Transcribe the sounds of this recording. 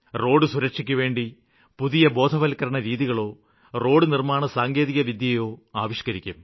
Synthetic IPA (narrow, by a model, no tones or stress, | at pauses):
ro̞ːɽɨsuɾɐkʂikʲːuʋe̞ːɳɖi | puðijɐbo̞ːd̪ʱɐʋɐlkːɐɾɐɳɐɾiːðiɣɐɭo̞ː | ro̞ːɽɨnirmaːɳɨsaːŋɡe̞ːðiɣɐʋid̪jɐjo̞ːaːʋiʂkɐɾikʲːum